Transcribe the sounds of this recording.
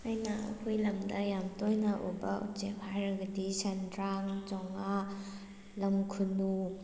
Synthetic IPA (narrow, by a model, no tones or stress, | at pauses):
ajnɐɐ̰kʰojlɐmdɐjamtɔjnɐʔubɐʔṵt͡ʃepʰhajɾɐɡɐdisandɾaŋd͡ʒɔŋa | lɐmkʰunu